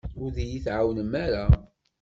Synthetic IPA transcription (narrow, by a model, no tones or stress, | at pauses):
ʊɾðijiθʕawnəmːaɾa